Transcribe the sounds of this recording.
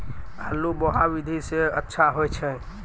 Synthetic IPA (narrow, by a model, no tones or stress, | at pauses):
a̰lːubɔɦaʋid̪ʱiseətːʃʰaɦojt͡ʃʰə̃